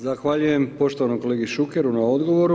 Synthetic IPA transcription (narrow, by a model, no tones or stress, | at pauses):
zaxʋaʎuje̞mpo̞ʃt̪oanojko̞le̞ːɡiʃukeɾunao̞d̪ɡo̞ʋo̞ɾu